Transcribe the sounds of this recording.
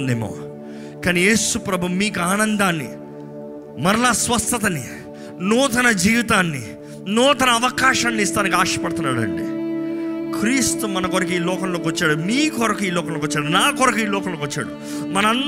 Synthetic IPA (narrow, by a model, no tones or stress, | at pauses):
nd̪ḛːmo̰ː | kaːnije̞ːsupɾɐbʱumiːkuaːnɐnd̪aːnːḭ | mɐɾɐlaːsʋɐst̪ɐt̪ɐni | nuːt̪ɐnɐd͡ʒiːʋit̪aːnːi | nuːt̪ɐnɐɐʋɐkaːʃɐːnːist̪aːnik̬aːʂɐpɐɽt̪unːaːɽɐ̰ɳɖḭː | kɾiːst̪umɐnɐkɔɾɐk̬iːlɔːkɐmloːkʋɐt͡ʃːaːɽumiːkɔɾɐkuiːlɔːkɐmloːkʋɐt͡ʃːaːɽunaːkɔɾɐkɐiːlɔːkɐmloːkʋɐt͡ʃːa̰ːɽu | mɐnɐɐn